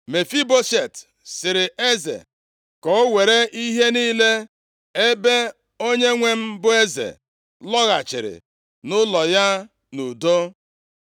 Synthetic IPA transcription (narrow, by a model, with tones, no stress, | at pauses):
me˨fi˦bo˦ʃe˨t | sɪ˨ɾɪ˨e˦zḛ˨ | kɔ˨˦we˨ɾe˦ʔi˦ɦe˦niː˦le˦ | e˦be˦ | o˦ɲe˦ŋʷe˨m̩˦bʊ˦e˦zḛ˨ | lɔ˦ɣa˨t͡ʃɪ̰˨ɾɪ̰˨ | nʊ˦lɔ˨ja˦ | nu˨do˦